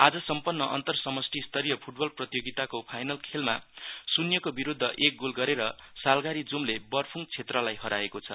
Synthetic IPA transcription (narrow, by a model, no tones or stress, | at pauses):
ad͡zʌsʌmpʌnːʌʔʌ̰nt̪ʌrsʌmʌsʈʰist̪ʌɾijʌpʰuʈ̚bʌlprʌt̪ijoɡit̪akopʰajnʌlkʰelma̰sunjʌkobiɾud̪ʱːʌʔek̚ɡulɡʌɾeɾʌsalɡaɾid͡zumlebʌrpʰuŋt͡sʰet̪rʌlajɦʌɾaekot͡sʰʌ